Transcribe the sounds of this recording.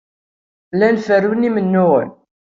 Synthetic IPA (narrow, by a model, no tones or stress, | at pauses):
lænfəɾunimənːʊʁə̰n